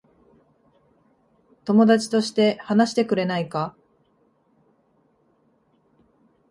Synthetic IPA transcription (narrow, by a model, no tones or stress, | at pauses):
t̪o̞mo̞d̪at͡ɕi̥t̪o̞ɕi̥t̪e̞hanaɕi̥t̪e̞k̟ɾe̞naika